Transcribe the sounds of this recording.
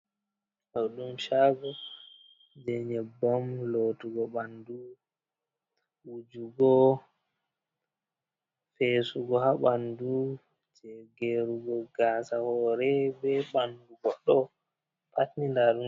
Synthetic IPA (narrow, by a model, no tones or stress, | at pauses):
hɔɗumʃaɡɔ | d͡ʒɛɲɛbɔmlotuɡɔɓandu | wud͡ʒuɡɔ | feːsuɡɔhaɓandu | t͡ʃɛɡeɾuɡɔɡaːsahɔɾɛbɛɓanduɡɔɗɔ | pʰatnindaɗu